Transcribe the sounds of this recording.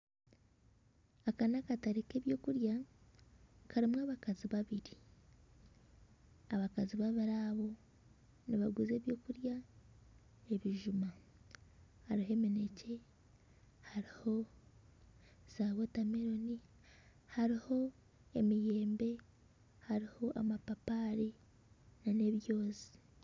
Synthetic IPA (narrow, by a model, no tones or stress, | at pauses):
akanakataɾeke̞ːβjo̞ːkuɾja | kʰaɾimwaːβakaziβaβiɾi | aβakaziβaβiɾaβo̞ | niβaɡize̞ːβjo̞ːkuɾja | e̞βiʒuma | haɾihe̞mine̞ce̞ | haɾiho̞ | z̥aβo̞tameɾo̞ni | haɾiho̞ | e̞mije̞ːmbe̞ | haɾiho̞ʔamapapaɾi | nane̞βjo̞ːzi̥